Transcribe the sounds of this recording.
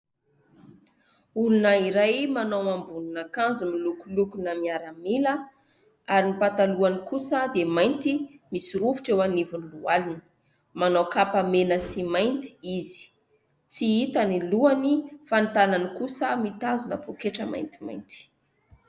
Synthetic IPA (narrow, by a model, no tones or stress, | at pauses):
ulunaiɾajmanawambuninakand͡zimilukulukunəmiaɾamilə | aɾinipat̪aluanikusəd̪emajnt̪imisiɾuvu̥ʈ͡ʂewanivunilualinə̥ | manawkapamenəsimajnt̪i̥izi̥ | t͡siit̪aniluanifant̪ananikusəmit̪azunəpokeʈ͡ʂəma̰jnt̪i̥ma̰jnt̪i̥